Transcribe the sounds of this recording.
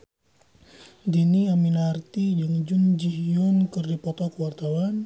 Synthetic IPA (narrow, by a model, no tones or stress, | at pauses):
diniaminart̪id͡ʒəŋd͡ʒund͡ʒiɦjʊnkɨrdipɔt̪ɔkəwart̪awan